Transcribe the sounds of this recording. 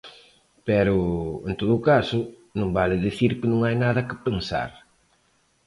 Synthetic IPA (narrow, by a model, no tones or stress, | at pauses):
pɛɾʊḛnt̪oðʊːkasʊ | nõŋbalɪðiθiɾkɪnõŋajnaðɐkɪpensa̰ɾ